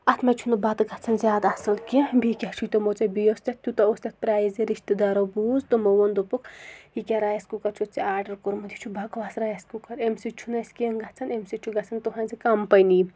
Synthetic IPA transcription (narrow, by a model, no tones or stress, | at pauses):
ɐt̪ʰmɐt͡ʃʰunɐbɐt̪ɡɐt͡sʰɐnzʲjaːd̪ɐsɐlkibikʲɐt͡ʃʰut̪omot͡sɐbijost̪ʲɐt̪̚ʰːʲut̪ɐost̪ʲɐt̪̚pɾaːjiziɾiʃt̪ɨd̪aɾobuːzt̪omowɐnd̪opukhikʲaɾajɐskukɐɾt͡ʃʰut̪̚t͡siaːɾɖɐɾkuɾmɐd̪ʲit͡ʃʰubɐkʋasɾajɐskukɐɾemsit͡ʃʰunɐskʲenɡɐt͡sʰɐnemsit͡ʃʰuɡɐt͡sʰɐnt̪uɦɐ̃nzikɐmpɐjni